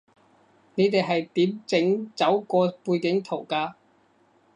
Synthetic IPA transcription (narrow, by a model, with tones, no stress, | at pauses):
ne˨˧t̪e˨jɦɐ˨jt̪iː˨˥mt͡sɪ˨˥ŋt͡sɐ˨˥wkɔː˧puː˧jkɪ˨˥ŋt̪ʰo˨˩wkaː˧